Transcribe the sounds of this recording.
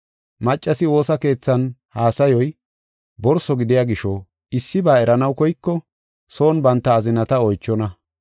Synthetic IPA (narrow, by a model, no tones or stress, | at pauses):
mɐt͡ʃʼːɐsɪwo̞ːsɐke̞ːt͡sːɐnhaːsɐjɔj | bɔɾsɔɡɪd̪ɪjaːɡɪʃɔ | ɪsːɪbaːɛɾɐnɐwkɔjkːɔ | so̞ːnbɐnt̪ːɐːzɪnɐt̪ɐɔjt͡ʃːɔnɐ